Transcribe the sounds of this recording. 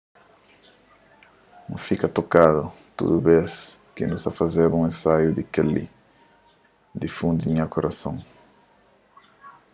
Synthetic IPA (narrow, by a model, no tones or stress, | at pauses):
nṵ̃fikɐt̪okaðʊ | t̪ṵd̪ubes | kinusɐfazeɾũŋẽnsajʊd̪ikelḭ | d̪ifũnd̪iɲakoɾʔasõŋ